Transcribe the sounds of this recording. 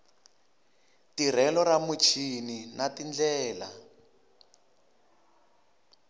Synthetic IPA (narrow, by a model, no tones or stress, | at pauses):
tir̤ɛlɔɾamut͡ʃʰininatind͡ɮɛːla